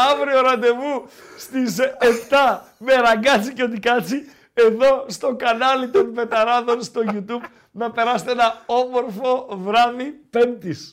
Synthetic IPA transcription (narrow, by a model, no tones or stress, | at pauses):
ɐvɾio̞ɾɐnd̪e̞vust̪ise̞pt̪ɐmeɾɐɡɐt͡siceo̞t̪ikɐt͡si | e̞ðo̞st̪o̞kɐnɐlit̪o̞nve̞t̪ɐɾɐðo̞nst̪o̞ʝut̪ub | nɐpe̞ɾɐst̪eenɐo̞mo̞ɾfo̞vɾɐðipe̞nt̪is